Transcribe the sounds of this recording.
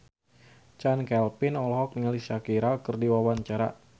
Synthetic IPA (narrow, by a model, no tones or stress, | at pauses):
t͡ʃankɛlpɪnɔlɦɔk̚niŋalisakiɾakərdiwawaɲt͡ʃaɾa̰